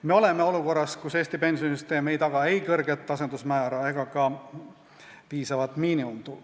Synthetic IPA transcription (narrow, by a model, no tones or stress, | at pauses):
me̞o̞le̞me̞o̞luko̞rːɑskuse̞ːst̪ipe̞nsjonisyst̪e̞ːme̞jt̪ɑɡ̥ɑe̞jkɤrɡ̥et̪ːˑɑs̬end̪usmæːɾɑe̞ɡ̥ɑkɑ | piːsɑvɑt̪ˑmiːniumt̪ul